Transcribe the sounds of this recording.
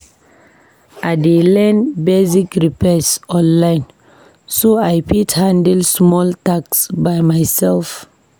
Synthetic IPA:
aɪdelɛ̃nbesikɹipɛsɔ̃nlãɪ̃n | soajpʰithãndɛlsmɔltaksbajmajsɛlf

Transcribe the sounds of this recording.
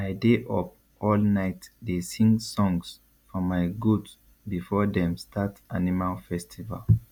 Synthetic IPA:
aɪdeʔɔp̚ | ɔlnaɪtdesĩŋɡsɔ̃ŋs | fɔmaɪɡuds | bifɔdɛ̃mstʰatʔanimalfɛstʰiva̰l

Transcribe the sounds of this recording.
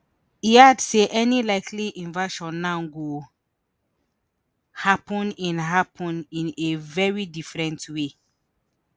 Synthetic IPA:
iadseʔɛnilaɪkʰliʔĩnvaʃɔ̃nːãɡo | hapɔ̃nĩnɦapɔ̃nĩnevɛɹidifɹɛ̃ntwe

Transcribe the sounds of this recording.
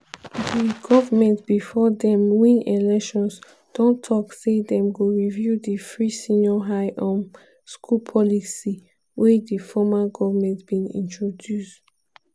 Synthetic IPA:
diɡɔvamɛ̃ntb̥ifɔdɛ̃mwĩnelɛkʃɔ̃ns | d̥ɔ̃ntʰɔksedɛ̃mɡoɹivjudifɹisĩnɔɦaɪʔɔ̃m | skʰupʰɔlisi | wɛdifɔmaɡɔvamɛ̃ntb̥ĩnḭ̃ntʰɹodjust

